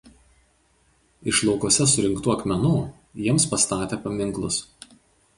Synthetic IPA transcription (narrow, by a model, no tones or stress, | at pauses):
ɪʃlˠɔʊkuɔsʲɛsʊɾʲɪŋˑkt̪uːɐkʲmʲɛnuː | jiɛmspɐst̪ɑːt̪ʲeːpɐmʲɪŋˑklˠʊs